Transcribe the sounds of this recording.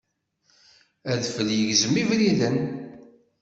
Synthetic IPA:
æðfəljəʝzəmːivɾilən

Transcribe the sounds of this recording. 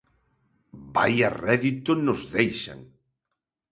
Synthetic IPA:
ba̰jarɛðit̪ʊnʊzðejʃa̰ŋ

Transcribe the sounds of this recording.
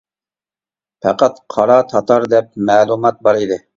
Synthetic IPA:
pʰɛqæt̪qʰɑɾɑt̪ʰɑt̪ʰɑɾd̪ɛp̚mæːlˠumɑt̪̚bɑɾid̪ɪ

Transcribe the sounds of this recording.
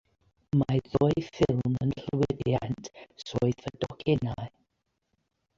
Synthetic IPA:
maðoɨfɪlˠmənɬwɪdjantʰsoɨθədɔkʰɛnaɨ

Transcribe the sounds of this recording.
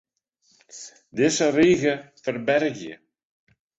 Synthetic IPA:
ðɪsːariːɣʏfɛɾbɛɾcɪ̰

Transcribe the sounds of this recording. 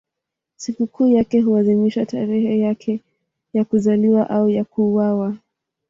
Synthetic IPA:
sikukʰuːjakɛɦuaðimiʃata̰ɾɛhɛjakʰɛ | jakuzaliwaʔaujakuːwawa

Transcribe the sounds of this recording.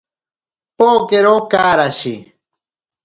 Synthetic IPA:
pokeɾokaːɾaʃi

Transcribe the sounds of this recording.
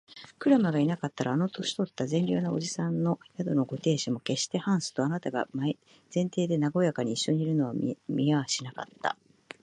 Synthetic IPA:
kɯ̟ɾamaɡainakat̪ːaɾaːno̞t̪o̞ɕi̥t̪o̞t̪ːazẽ̞nɾʲo̰ːnao̞ʑisãnːo̞jad̪o̞no̞ɡo̞t̪e̞ːɕimo̞ke̞ɕi̥t̪e̞hãɰ̃sɨ̥t̪o̞anat̪aɡa̰ma | zẽ̞nt̪e̞ːd̪e̞naɡo̞jakaɲ̟iːɕːo̞ɲ̟iiɾɯ̟no̞βamʲiaβaɕinaka̰t̪ːa̰

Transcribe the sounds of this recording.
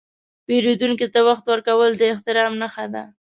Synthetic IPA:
peɾed̪uŋkit̪awaxt̪wəɾkawəld̪əɪht̪ɪɾɑmnaxad̪a̰

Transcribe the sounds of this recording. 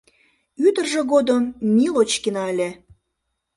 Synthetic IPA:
yt̪ərʒeɣod̪əmːilot͡ɕkinɑelʲe

